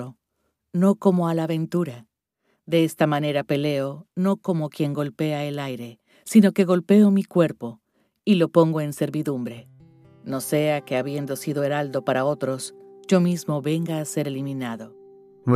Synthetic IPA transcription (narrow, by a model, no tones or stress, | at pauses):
o | no̞ko̞mo̞alaβe̞nt̪uɾa | ðe̞est̪amane̞ɾape̞leono̞ko̞mo̞kje̞ŋɡo̞lpe̞aelajɾe̞ | sino̞ke̞ɣo̞lpe̞omikwe̞ɾpo̞ | ilo̞po̞ŋɡo̞e̞nse̞ɾβiðumbɾe̞ | no̞se̞akeaβje̞nd̪o̞siðo̞eɾald̪o̞paɾao̞t̪ɾo̞sʝo̞mizmo̞βe̞ŋɡaːse̞ɾelimĩnaðo̞